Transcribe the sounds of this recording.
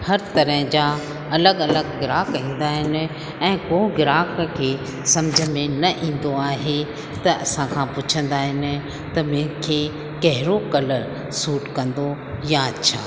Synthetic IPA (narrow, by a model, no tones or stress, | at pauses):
hɐɾt̪ɐɾəɦɪ̃d͡ʑa | ɐləɡɐləɡɡɪɾaːkɦĩːn̆d̪aːɦɪnɪ̆ | ɛ̃ːkoɡɪɾaːkkʰeː | sɐmd͡ʑʱə̆mẽnɐʔĩːn̆d̪oaːɦe | t̪ɐʔɐsãkʰãpʊt͡ɕʰə̃nd̪aːɦɪnɪ̆ | t̪ɐmʊ̃ɦɪ̃kʰeː | kɐɦɪɾokɐləɾ | suːʈkɐ̃nd̪o | jaɐtːɕʰa̰ː